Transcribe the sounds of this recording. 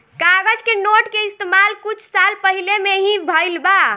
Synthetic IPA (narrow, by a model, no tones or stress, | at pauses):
kaɡəd͡ʒkenoʈkeist̪emalkut͡ʃʰsalpəɦilemeɦĩbʱəjlba